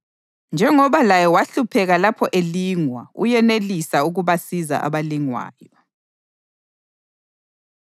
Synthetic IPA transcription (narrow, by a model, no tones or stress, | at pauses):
nd͡ʒʱɛŋɔβalajɛwaɬupʰɛɣalapʰɔʔeliːŋwaṵjɛnelisauɣuβasiza̰ʔa̰βaliŋwa̰ːjɔ